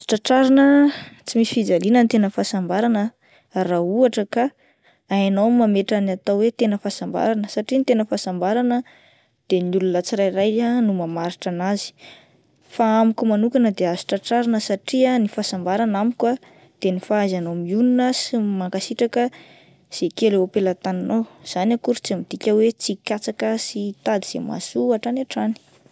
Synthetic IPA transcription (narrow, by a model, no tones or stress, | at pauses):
azʈ͡ʂaʈ͡ʂaɾanət͡simisi̥fid͡zalinənt̪enəfasambaɾanə | rauaʈ͡ʂəka | ajanowmːameʈ͡ʂanat̪awwet̪enəfasamba̰ɾanəsaʈ͡ʂint̪enəfasambaɾanə | d̪̥eniulunət͡siɾajrajanumamaɾiʈ͡ʂanazi̥ | faamikʲumanukanəd̪eazi̥ʈ͡ʂaʈ͡ʂaɾanəsaʈ͡ʂiənifasambaɾanamikwa | d̪̥enifaazanomiuninasimaŋkasiʈ͡ʂakə | z̥ekelewapelət̪aninowz̥anakuɾt͡samid̪̥ikʲəwet͡sikʲat͡sakəsit̪ad̪iz̥ḛma̰suaʈ͡ʂanaʈ͡ʂani̥